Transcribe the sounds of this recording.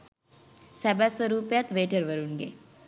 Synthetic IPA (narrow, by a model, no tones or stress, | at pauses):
sɛbasəɾuːpjat̪ʋeːʈəɾʋəɾunɡḛ